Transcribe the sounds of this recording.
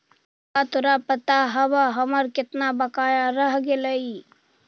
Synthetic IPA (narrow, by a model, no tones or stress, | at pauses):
at̪oɾapət̪aɦəbaɦəməɾkɪt̪nabəkajaɾəɦɡeləi